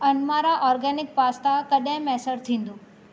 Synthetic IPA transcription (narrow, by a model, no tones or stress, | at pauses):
ɐnmaɾaʔɔːɾɡɛːnɪk̚paːst̪akɐɗɦɪ̃mɛːsəɾt̪ʰĩːn̆d̪oː